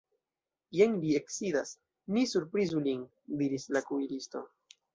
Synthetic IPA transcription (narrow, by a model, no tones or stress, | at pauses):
jeŋlie̞ksidas | nisuɾpɾizulin | diɾislakuilisto̞̰